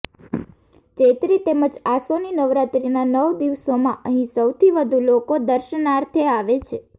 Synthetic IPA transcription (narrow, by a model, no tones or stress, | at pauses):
t͡ʃet̪ɾit̪eməd͡ʒasoninəʋɾat̪ɾinanəʋd̪iʋsomãʔəɦĩsəwt̪ʰiʋəd̪ʱulokod̪əɾʃənaɾt̪ʰeaʋet͡ʃʰe